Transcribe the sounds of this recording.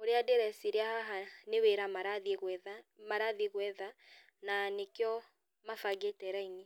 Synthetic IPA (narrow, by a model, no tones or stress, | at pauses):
oɾeadeɾɛsiɾeahaɦaneweɾamaɾaðɣɛðamaɾaðiɣwɛða | nanekjɔ | mafaɡetɛɾaini